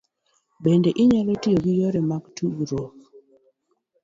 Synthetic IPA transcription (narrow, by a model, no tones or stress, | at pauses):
bendɛʔiɲalɛtɪoɡijɔɾɛmaktʰuɡɾɔk